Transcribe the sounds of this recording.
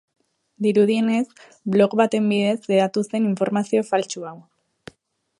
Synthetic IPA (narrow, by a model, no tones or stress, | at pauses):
d̪iɾuð̞ie̞ne̞s | blo̞kβat̪e̞mbiðe̞sleðat̪use̞niɱfo̞ɾmasio̞falt͡ʃuaw